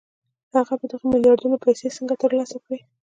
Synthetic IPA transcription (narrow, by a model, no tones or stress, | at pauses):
haɣabəd̪əɣamɪljɑɾd̪unopajsesəŋɡat̪əɾlɑsakɽi